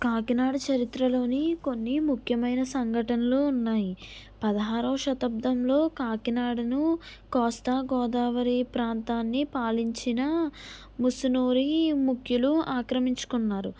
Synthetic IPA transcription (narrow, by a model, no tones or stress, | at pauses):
kaːkinaːɽɐt͡ʃɐɾit̪ɾɐlo̞ːniko̞nːimukʰjɐmɐjnɐsɐŋɡʱɐʈɐnɐlounːaːji | pɐd̪ɐɦaːɾɐːʃɐt̪ɐb̚d̪ʱɐmlo̞ːkaːkinaːɽɐnukɔːst̪aːɡɔːd̪aːʋɐɾipɾaːnt̪aːnːipaːliɲt͡ʃinɐ | musunuːɾimukʰjuluaːkɾɐmiɲt͡ʃu̥kunːaːɾu